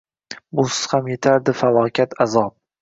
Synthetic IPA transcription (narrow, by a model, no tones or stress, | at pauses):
bʊsɪ̥z̥hamje̞t̪ʰaɾd̪ɪfalˠɒːkʲʰat̪ʰazɒp̚